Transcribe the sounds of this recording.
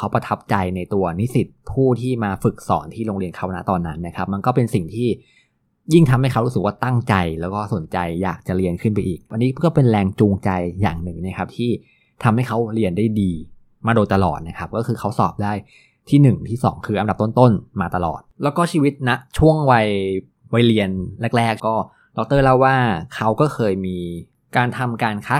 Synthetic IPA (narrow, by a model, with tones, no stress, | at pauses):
kʰa˦˥wpa˧t̪ʰa˦˥p̚t͡ɕa˧jna˧jt̪u˧ɐni˦˥si˨˩t̪̚pʰuː˥˩t̪ʰiː˥˩maː˧fɯ˨˩k̚sɔ̰ː˩˦nt̪ʰiː˥˩ɾo˧ŋɾi˧ənkʰa˦˥˩wna˦˥t̪ɔː˨˩nːa˦˥nːa˦˥kʰa˦˥p̚ma˧nkɔː˥˩pe˧nsi˨˩ŋt̪ʰiː˥˩ | ji˥˩ŋt̪ʰa˧mha˥˩kʰa˦˥wɾu˦˥sɯ˨˩kwaː˥˩t̪a˥˩ŋt͡ɕa˧jlɛː˦˥wkɔː˥˩so˨˩˦nt͡ɕa˧jːa̰ː˨˩k̚t͡ɕa˨˩ɾi˧ənkʰɯ˥˩np̬a˧jʔiː˨˩k̚wa˧nːiː˦˥kɔː˥˩pe˧nɾɛː˧ŋt͡ɕuː˧ŋt͡ɕa˧jːa̰ː˨˩ŋnɯ˨˩ŋna˦˥kʰa˦˥p̚t̪ʰiː˥˩ | t̪ʰa˧mha˥˩jkʰa˦˥wli˧ənda˥˩jdiː˧ | maː˧doː˧jt̪a˧lɔ̰ː˨˩t̪̚na˦˥kʰa˦˥p̚kɔː˥˩xɯː˧kʰa˦˥wsɔ̰ː˨˩p̚daː˥˩j | t̪ʰiː˥˩nɯ˨˩ŋt̪ʰiː˥˩sɔ̰ː˩˦ŋkʰɯː˧ʔa˧nda˨˩p̚t̪o˥nt̪o˥˩nmaː˧t̪a˧lɔ̰ː˨˩t̪̚lɛ˦˥wkɔː˥˩t͡ɕʰiː˧wi˦˥t̪̚na˦˥ʔt͡ɕʰu˥˩əŋwa˧j | wa˧jli˧ənlɛ˦˥˩k̚lɛː˦˥˩k̚kɔː˥˩ | dɔ˦˥k̚t̪ɤː˥˩la˥˩waː˥˩kʰa˦˥wkɔː˥˩xʰɤː˧jmiː˧ | kaː˧nt̪ʰa˧mkaː˧nkʰa˦˥